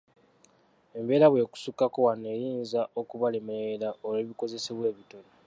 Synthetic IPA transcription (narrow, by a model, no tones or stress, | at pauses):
e̞mbe̞ːɾaβwe̞ːku̥sukakowanːe̞jiːnzaʔo̞kuβalemeːɾaoleːβiko̞ze̞seβwe̞ːβito̞ne